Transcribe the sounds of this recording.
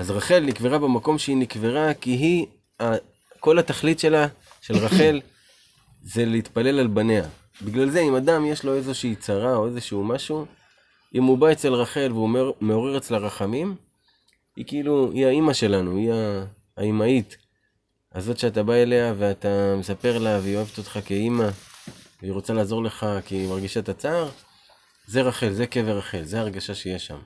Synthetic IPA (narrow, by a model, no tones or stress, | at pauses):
azʁaχe̞lnikveʁabe̞mako̞mʃeinikveʁakiɦi | a | ko̞lat̪aχlitʃe̞la | ʃe̞lʁaχe̞l | ze̞leit̪pale̞lalbane̞a | biɡlalze̞imadamjeʃlo̞e̞ze̞ʃiːt͡saʁao̞e̞ze̞ʃuumaʃu | ʔimhubae̞t͡se̞lʁaχe̞lveume̞o̞ʁeʁet͡selaʁaχamim | hikiiluiaimaʃe̞lanuiaː | imait | azo̞tʃat̬abae̞le̞aveat̪amesape̞ʁelaveio̞e̞vet̪ot̪χake̞imaveiʁo̞t͡salaːzo̞ʁle̞χakimaʁɡiʃaet̪at͡saːʁ | ze̞ʁaχe̞lze̞keveʁaχe̞lzeaːʁɡaʃaʃejeʃa̰m